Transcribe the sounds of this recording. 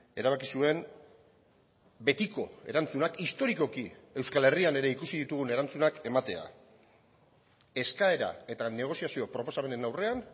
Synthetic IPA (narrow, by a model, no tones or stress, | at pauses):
e̞ɾaβ̞akisue̞n | be̞t̪iko̞e̞ɾant͡sunakist̪o̞ɾiko̞kie̞wskale̞riane̞ɾe̞ikusiðit̪uɣ̞une̞ɾant͡sunake̞mat̪e̞a̰ | e̞skae̞ɾa̰e̞t̪ane̞ɣ̞o̞siasio̞pɾo̞po̞same̞nenawre̞an